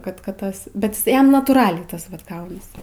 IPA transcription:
ˈkɐt ˈkɐt ˈtɐs bʲɛt ˈjɪs ˈjɛm nɐtuːˈrɑːlʲɛɪ ˈtɐs ʋɐt ˈɡɐʊnɐs

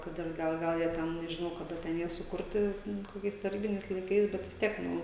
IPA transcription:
ˈkɐt ɪr ˈɡɐlˠ ˈɡɐlˠ jiɛ ˈtʲɛn nʲɛʒʲɪˈnɐʊ kɐˈdɐ ˈtʲɛn ˈjiɛ sʊˈkʊrʲtʲɪ ˈnʊ koːˈkʲɛɪs tɐˈrʲiːbʲɪnʲɛɪs lˠɐɪˈkɐɪs bʲɛt ʋʲɪs ˈtʲiɛk ˈnʊ

